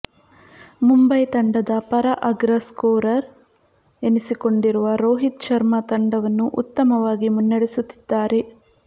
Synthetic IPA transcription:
mumbɐjt̪ɐɳɖɐd̪ɐpɐɾɐʔɐɡɾɐskoːɾɐɾ | enisiko̞ɳɖiɾuʋɐɾoːɦit̪t͡ʃɐɾmɐt̪ɐɳɖɐʋɐnːuʔut̪ːɐmɐʋaːɡimunːɐɽesut̪ːi̥d̪ːaːɾe̞

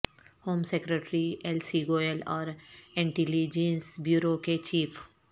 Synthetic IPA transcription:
hoːmsekɾəʈɾielsiɡoːelɔːɾɪ̃ɳʈilid͡ʒẽnsbjuːɾoket͡ʃiːf

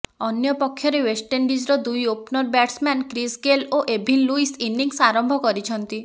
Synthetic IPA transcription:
ɔnjɔpɔkʰːjɔɾewesʈeɳɖid͡ʒɾɔd̪ujopnɔɾbaʈsmankɾisɡeloʔebʱinluisiniŋsaɾɔmbʱɔkɔɾit͡ʃʰɔnt̪i

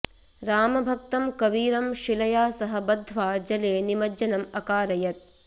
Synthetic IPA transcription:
ɾaːmɐbʱɐk̚t̪ɐmkɐʋiːɾɐmʃilɐjaːsɐɦɐbɐd̪ʱːʋaːd͡ʒɐleːnimɐd͡ʒɐnɐmɐkaːɾɐjɐt̪̚

